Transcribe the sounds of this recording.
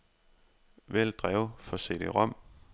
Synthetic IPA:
ʋel̰d̥ʁɛʊfɒsḛɾ̥eʁɒm̰

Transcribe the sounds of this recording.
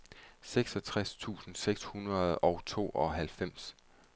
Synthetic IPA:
seɡ̥sɒ̽t͡sʰʁast͡sʰṵːsn̩seɡ̥shunʁɐðˠɒ̽ʊt͡sʰo̝̰ːɒ̽ɦælfem̰s

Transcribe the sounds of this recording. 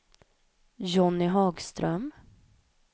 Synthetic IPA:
jɔnːɪɦɑːɡst̪ɾœm

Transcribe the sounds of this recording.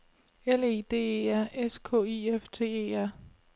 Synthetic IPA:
eleːd̥e̝̰ːe̝̰ːæɐ̰ʔeskʰɔ̰̽ːiːeft͡sʰe̝̰ːḛːæɐ̰

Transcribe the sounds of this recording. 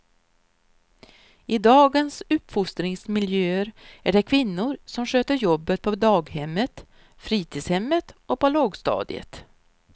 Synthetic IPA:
ɪd̪ɑːɡənsɵpfʊst̪ɾɪŋsmɪljøːəɾæɖɛkʰvɪnːʊɾsɔmʂøːt̪əɾjɔbːət̪̚pʰɔd̪ɑːɡhɛmːət̪ | fɾiːt̪ʰiːshɛmːət̪ɔpɔloːɡst̪ɑ̰ːd̪ɪ̰ə̰t̪

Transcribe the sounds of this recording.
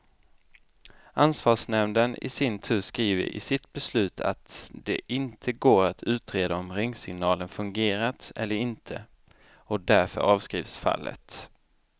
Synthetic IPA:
ansvɑːʂnɛmnd̪ənɪ̰sɪnt̪ʰʉ̟ːʂkɾiːvə̰ɾʔɪ̰sɪt̪̚bɛslʉ̟ːt̪ʰa̰t̪d̪̥ɛʔɪnt̪ʰəɡoːɾat̪ʰʉ̟ːt̪ɾeːd̪aɔmɾɪŋːsɪŋnɑːlənfɵŋɡeːɾat̪ɛ̰lːəɾɪnt̪ʰə̰ | ɔd̪æɾfœ̰ɾɑːvskɾiːvsfa̰lːə̰t̪

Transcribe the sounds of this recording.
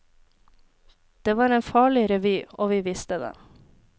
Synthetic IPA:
d̪̥eːʋɑːɾeːnfɑːɭɪɾɛʋyːoːʋiːʋɪst̪əd̪ḛː

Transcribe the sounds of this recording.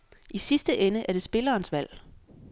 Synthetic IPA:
ʔisisd̥əʔenəʔæɐd̥e̝sb̥e̝lɐːnsʋæl̰

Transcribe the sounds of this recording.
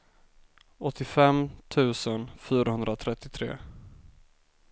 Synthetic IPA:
ɔt̪ʰːɪfɛmt̪ʰʉ̟ːsənfyːɾahɵnd̪ɾat̪ʰɾɛt̪ːɪt̪ʰɾḛː

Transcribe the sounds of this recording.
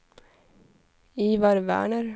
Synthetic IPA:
iːʋɑːɾʋæ̰ːɳəɾ

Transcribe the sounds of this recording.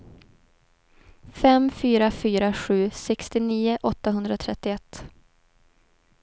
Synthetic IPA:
fɛmfyːɾafyːɾaɧʉ̟ːsɛkst̪ɪniːʊʔɔt̪ːaɦɵnd̪ɾaot̪ʰɾɛt̪ːɪɛt̪ː

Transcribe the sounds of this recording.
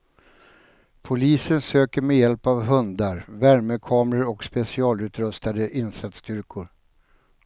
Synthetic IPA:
pʰʊliːsənsøːkəɾmɛjɛlpavɦɵnd̪aɾvæɾməkʰɑːmɾəɾɔkspɛsɪɑːlʉ̟ːt̪ɾɵst̪ad̪əʔɪnsat̪sd̪ʏɾkʰʊɾ

